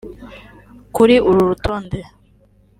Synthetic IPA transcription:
kuɾiʔuɾuɾutʰoːnde

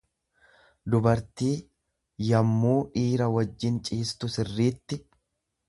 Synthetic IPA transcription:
d̪ʊbɐɾt̪iː | jɐmːuːᶑiːɾɐwɐd͡ʒːɪnt͡ʃʼiːst̪ʊsɪrːiːt̪ːɪ

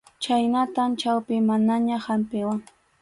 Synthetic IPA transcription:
t͡ʃajnat̪amt͡ʃawpɪmanaɲahampɪwaŋ

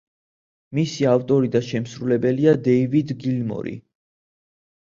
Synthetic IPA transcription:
misiavt̪ʼɔɾid̪aʃɛmsɾulɛbɛliad̪ɛivid̪ɡilmɔ̰ɾḭ

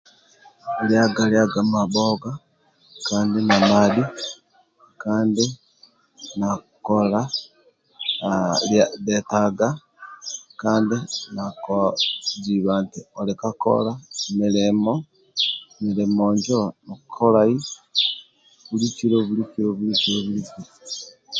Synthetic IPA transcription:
ljaɡaljaɡamaboɡa | kaːndinamadi | kaːndi | na | kola | ladetaɡa | kaːndinakod͡ʒiβantiolikako̰lamilemo | milemoɲd͡ʒonokkʰolai | βulit͡ʃiɾoβulikiɾoβulikioβulikiɾ

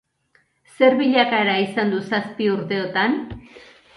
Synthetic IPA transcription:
se̞ɾβiʎakaeɾaisand̪usaspiuɾt̪e̞ot̪an

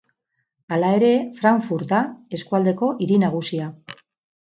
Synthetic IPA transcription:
alae̞ɾe̞fɾaɱfuɾt̪ae̞skuald̪e̞ko̞ʔiɾinaɣ̞usia

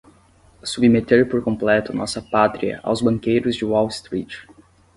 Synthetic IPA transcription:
subimet̪eɾpoɾkõplɛt̪ʊnɔsɐpat̪ɾiɐ̰ʔa̰wzbɐ̃ŋkejɾʊzd͡ʒɪwɔwst̪ɾit͡ʃ

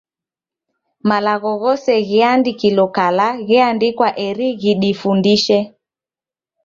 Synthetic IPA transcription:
malaɣɔɣɔsɛɣiandikilɔkalaɣɛandikwaʔɛɾiɣiɗifundiʃɛ

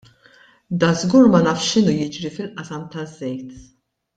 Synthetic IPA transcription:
d̪ɐzɡuːɾmɐnɐːfʃʃɪnujɪd͡ʒɾifɪlʔɐsɐmt̪ɐzːɛjt̪

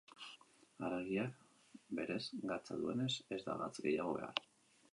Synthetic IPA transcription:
aɾeɣiak | be̞ɾe̞zɡat͡saðue̞ne̞se̞zd̪a̰ɣat͡sɡe̞̰jaɣ̞o̞βe̞̰a̰ɾ

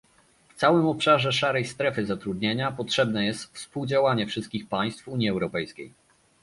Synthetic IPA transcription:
ft̪sawɘmɔpʂaʐɛʂaɾɛjst̪ɾɛfɘzat̪ɾud̪ɲeɲapɔtʂɛbnɛjɛst̪fspuwd͡ʑawaɲɛfʂɘst̪̚kʲixpaj̃st̪fuɲjiɛwɾɔpɛjskʲej

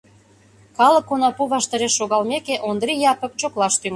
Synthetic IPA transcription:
kɑlə̆kːonɑpuβɑʃt̪ɑɾeʃːoɣɑlmekeʔond̪ɾijɑpə̆k̚t͡ɕoklɑʃt̪yŋ

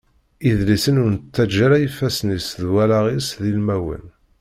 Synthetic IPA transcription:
iðlisənʊɾnət͡sːæd͡ʒːæɾajəfæsnisðwælaʁisðilmæwə̰n

